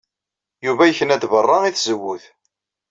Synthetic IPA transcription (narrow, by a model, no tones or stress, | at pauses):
juvæjəçənæd̪vərˤːɑiθzəwːuð